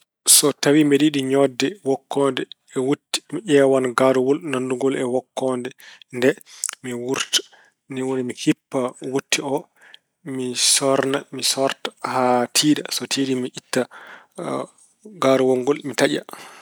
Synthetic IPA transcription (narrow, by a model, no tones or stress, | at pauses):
sɔtawimeɗiɗiɲɔdːɛwɔkʰːɔndɛ | ɛwutːi̥miʔɛwanɡaɾuwɔlnanduŋɡɔlɛwɔkːɔndɛndɛmiwuɾtḁ | niwonimikʰipːawutʰːiɔ | misɔɾnamisɔɾtḁhatʰiːɗasɔtʰiɗimiʔitːa | ɡaːɾuwɔŋɡɔlmitaʄa̰